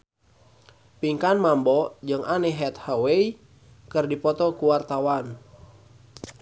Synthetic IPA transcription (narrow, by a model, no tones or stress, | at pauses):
piŋkanmambɔd͡ʒɨŋʔaneɦɛt̪hawei | kɨrdipɔt̪ɔkuwart̪awan